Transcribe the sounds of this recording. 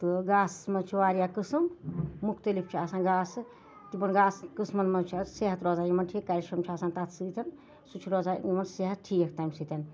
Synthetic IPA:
t̪ɨɡaːsmɐt͡ʃʰiʋaːɾijakɨsɨmːukʰt̪ɐlip̚t͡ʃʰiasaːnɡaːsɨ | t̪ibɐnɡaːskɨsmɐnmɐt͡ʃʰaseɦɐt̪ɾɔzaːjimɐnʈʰikaɾʲjiʃɾɐmt͡ʃʰiaːsaːnt̪at̪ʰsɨːt̪ʲɐn | sut͡ʃʰuɾɔːzajimɐnseɦɐt̪̚ʈʰijek̚ʰt̪ajmsɨt̪ʲɐn

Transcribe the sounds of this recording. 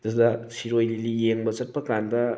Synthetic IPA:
dasdasʰiɾojlilijeŋbɐsɐt̚pɐkandɐ

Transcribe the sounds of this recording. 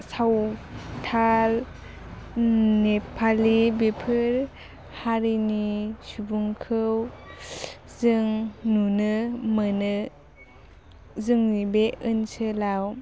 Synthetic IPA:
sawtʰal | nepʰalibepʰɯɾ | haɾinisubuŋkʰɯw | zɯŋnunɯmɯnɯ | zɯŋnibeʔɯnsɯlaw

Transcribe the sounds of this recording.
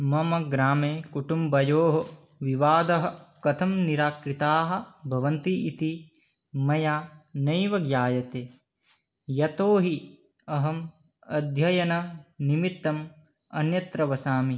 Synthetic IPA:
mɐmɐɡɾaːmeːkuʈumbɐjoːɦɐ | ʋiʋaːd̪ɐɦɐ̆kɐt̪ʰɐmniɾaːkɾit̪aːɦɐ̆bʱɐʋɐnt̪iʔit̪i | mɐjaːnɐjʋɐɡjaːjɐt̪eː | jɐt̪oːɦi | ɐɦɐm | ɐd̪ʱjɐjɐnɐnimit̪ːɐm | ɐ̰njɐt̪ɾɐʋɐsaːmi

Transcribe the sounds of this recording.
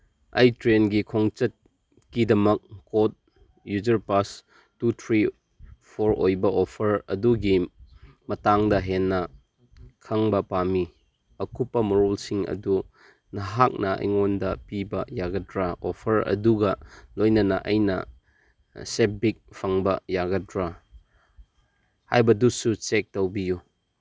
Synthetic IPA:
ɐ̰jtɾenɡikʰoŋt͡ʃɐt̚ | kidɐmɐk̚ːot̚ | jud͡ʒɐɾpas | tutʰɾi | pʰoɾojbɐʔopʰɐɾɐ̰duɡi | mɐtaŋdɐɦenːɐ | kʰɐŋbɐpami | ɐkʰupːɐmɐɾulsiŋɐ̰du | nɐɦak̚nɐɐ̰jŋondɐpibɐjaɡɐdɾaopʰɐɾɐ̰duɡɐlojnɐnɐʔɐjnɐ̰ | sep̚bik̚pʰɐŋbɐjaɡɐdɾa | ha̰jbɐdusut͡ʃek̚tɐwbiju

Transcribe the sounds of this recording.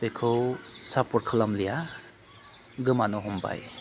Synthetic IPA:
bekʰɯwsapɔɾkʰalamlija | ɡɯmanɔɦɔmba̰j

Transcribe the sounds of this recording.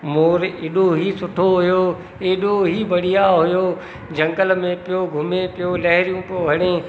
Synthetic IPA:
moːɾeːɗoɦisʊʈʰoɦʊjoː | eɗoɦibɐɽ̤ijaɦʊjo | d͡ʑɐ̃ŋɡəlmẽpijoɡʱʊmepijolɐɦɪɾijũpijoʋʱɐɽ̃ẽ

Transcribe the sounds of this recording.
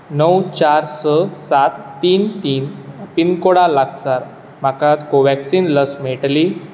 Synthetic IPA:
nəwt͡ɕaɾsəsat̪ːiːnt̪iːnəpinkoɽalaɡsaɾ | m̤akãt̪koʋɛksiːnləsm̤eʈli

